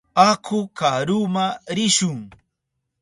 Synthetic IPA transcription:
akʰʊkaɾumaɾɪʃʊŋ

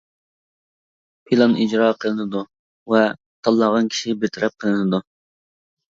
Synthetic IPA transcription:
pʰilˠɑnid͡ʒɾɑqʰəlˠɨnɨd̪u | vɛ | t̪ʰɑlˠːɑʁɑnkʲʰi̥ʃibet̪ʰɪɾʔɛp̚qʰəlˠɨnɨd̪u

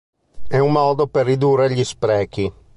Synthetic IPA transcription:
ɛumːɔːd̪operːid̪urːeʎispɾɛːk̟i

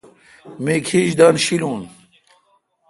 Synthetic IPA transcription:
meːkʰiʑd̪aːnɕiluːn

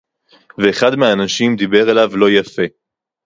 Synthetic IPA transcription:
veːχad̪meaːnaʃimd̪ibe̞ʁelavlo̞jafe̞

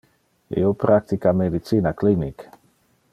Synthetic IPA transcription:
ḭopɾak̚t̪ikamed̪it̪siːnaklinik

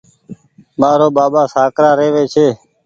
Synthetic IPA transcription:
maːɾoːɓaːɓaːsaːkɾaːɾeːʋeːt͡ʃʰeː

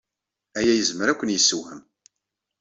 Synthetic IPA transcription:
æjæjəzməɾækʷːənjəsːəwhəm

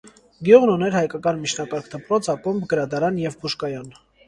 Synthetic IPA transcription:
ɡjuʁnunɛɾhɑjkɑkɑnmit͡ʃʰnɑkɑɾkʰd̪əpɾɔt͡sʰɑkumbɡəɾɑd̪ɑɾɑnjɛvbuʃkɑjɑn

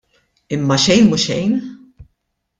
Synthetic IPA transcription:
ɪmːɐʃɛjnmuʃɛjn

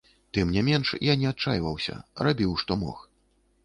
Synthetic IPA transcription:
t̪ɨmnʲɛmʲɛnʂjanʲɛat̪̚t͡ʂːajvɐwsʲɐ̰rabʲiwʂt̪ɔmɔ̰x

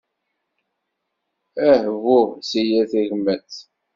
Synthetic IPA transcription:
æhvʊʁsijæθæʝəmːæt͡s

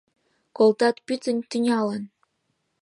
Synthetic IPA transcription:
kolˠt̪ɑt̪pʲyt̪ə̆nʲt̪unʲɑlɤn

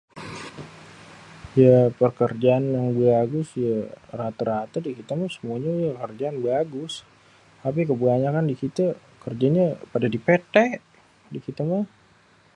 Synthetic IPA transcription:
japərkərd͡ʒaːnjaŋbaɡʊsjarat̪əɾat̪ədikit̪əmasəmuaɲajakərd͡ʒaanbaɡʊs | t̪ap̬ik̬əbuaɲakandikit̪ə | kərd͡ʒaɲapadadipet̪ɛʔ | dikit̪əma

